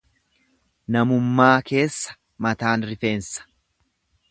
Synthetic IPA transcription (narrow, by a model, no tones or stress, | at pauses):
nɐmʊmːaːke̞ːsːɐ̥ | mɐt̪aːnɾɪfe̞ːnsɐ̥